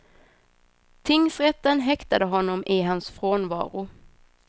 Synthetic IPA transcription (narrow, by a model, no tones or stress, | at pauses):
t̪ʰɪŋsɾɛt̪ːənɦɛkt̪ad̪əɦɔnːɔmʔɪɦansfɾoːnvɑ̰ːɾʊ